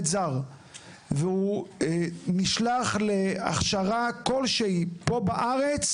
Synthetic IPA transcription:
zaʁ | veu | niʃlaχlea̰χʃaʁako̞lʃeipo̞baʔaʁet͡s

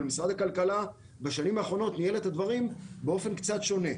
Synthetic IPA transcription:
lmisʁad̪hakalkala | beʃanimaːχʁo̞no̞t̪nije̞let̪had̪vaʁimbeo̞fe̞nkt͡satʃo̞ne̞

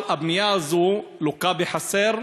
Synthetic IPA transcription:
abmijaazulokabeħaseɾ

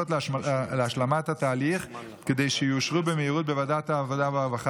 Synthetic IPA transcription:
otlleaʃlamathat̪aːliχ | ked̪e̞jʃejuʃʁubemeiʁut̚bevadataːvodaveavaχa

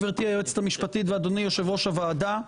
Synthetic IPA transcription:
veʁt̪iajeet͡se̥t̪amiʃpat̪it̪veːd̪o̞nijoʃevʁo̞ʃavaːd̪a

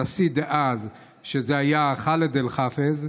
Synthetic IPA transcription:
asid̪eʔaz | ʃezeajaχaled̪elχafez

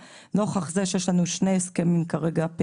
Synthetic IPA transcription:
no̞χaχzeʃjeʃlanuʃne̞jeskemimkaʁeɡape

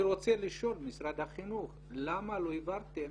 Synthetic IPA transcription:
ɾot͡seliʃo̞lmisɾad̪haχinuχ | lamaloivaɾt̪e

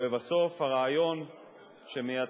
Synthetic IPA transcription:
evaso̞fhaʁaːjo̞n | ʃemeja

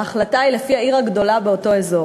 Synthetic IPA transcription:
aχlataile̞fiaiʁaɡdo̞labe̞o̞to̞ezo̞

